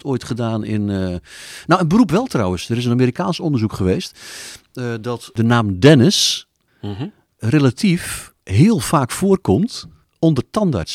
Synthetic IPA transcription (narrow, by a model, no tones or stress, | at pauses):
toːjtχədaːnɪ̰n | nowənbərupʋɛlˠtrɔwənsdəɾɪs̬ənamiːrikaːnsɔndərzukχəʋeːst | dɔtdənaːmdɛnəs | relatʰif | ɦɪːəlˠfaːkfoːərkɔmt | ɔndərtɑnda̰ɹts